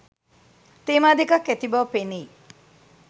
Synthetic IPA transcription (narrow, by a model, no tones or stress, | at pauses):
t̪eːmaːd̪ikɐkːet̪ibɐʋpeniː